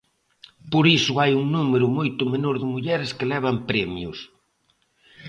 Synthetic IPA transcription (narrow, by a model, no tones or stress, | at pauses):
poɾisʊajuŋnumeɾʊmojt̪ʊmenoɾðɪmuʎɛɾɪskɪlɛβ̞ampɾɛmjʊs